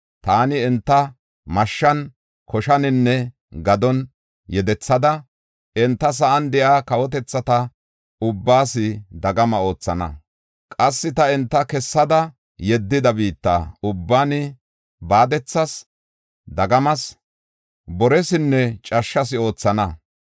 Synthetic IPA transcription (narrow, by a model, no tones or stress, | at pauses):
t̪aːnɪɛnt̪ːɐ | mɐʃːɐn | kʰɔʃɐnɪnːɛ | ɡɐd̪ɔn | jɛd̪ɛt͡sːɐd̪ɐ | ʔɛnt̪ːɐs̬ɐʔɐnd̪ɛʔaːkɐwɔt̪̬ɛt͡sːɐt̪ɐ | ʊbːaːsɪd̪ɐɡɐmɐo̞ːt͡sːɐnɐ̰ | kʼɐsːɪt̪ɐɛnt̪ːɐkɛsːɐd̪ɐ | jɛd̪ːɪd̪ɐbiːt̪ːa̰ːʊbːaːnɪ | baːd̪ɛt͡sːɐs | d̪ɐɡɐmɐs | bɔɾɛsɪnːɛt͡ʃʼɐʃːɐs̬ɪo̞ːt͡sːɐnɐ